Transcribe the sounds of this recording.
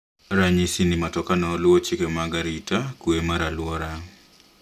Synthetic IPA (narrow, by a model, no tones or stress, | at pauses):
ɾaɲisinimatɔkanɔlwɔt͡ʃikemaɡaɾitakuemaɾalwɔɾa